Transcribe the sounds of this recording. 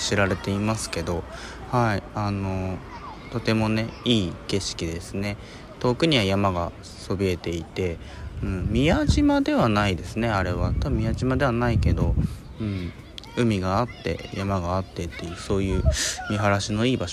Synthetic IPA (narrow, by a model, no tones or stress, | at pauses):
ɕiɾaɾe̞t̪e̞imasɨ̥ke̞d̪o̞ | haiano̞ | t̪o̞t̪e̞mo̞ne̞iːke̞ɕi̥kʲid̪e̞sɨne̞ | t̪o̞kɯ̟ɲ̟iβajamaɡa | so̞bʲie̞t̪e̞it̪e̞ | ɯ̟̃ːɴmʲijaʑimad̪e̞βanaid̪e̞sɨne̞aɾe̞β̞at̪amʲiaʑimad̪e̞βanaike̞d̪o̞ | ɯ̟̃ɴ | ɯ̟mʲiɡaːt̪ːe̞̰jamaɡaːt̪ːe̞t̪ːe̞jɯ̟so̞ːjɯ̟ːmʲiɦaɾaɕino̞iːbaɕ